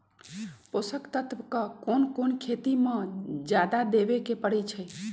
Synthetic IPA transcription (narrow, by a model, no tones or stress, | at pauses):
posəkt̪ət̪ʋkəkonkonkʰet̪imẽd͡ʒjad̪ad̪ebekepəɽɛt͡ʃʰə